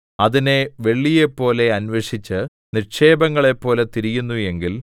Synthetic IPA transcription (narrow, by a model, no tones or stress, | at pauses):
ɐðine̞ʋe̞ɭːije̞pːo̞ːle̞ɐnʋeʂit͡ɕːɨ | nirkʂe̞ːbɐŋːɐɭe̞pːo̞ːlet̪iɾijunːuje̞ŋɡil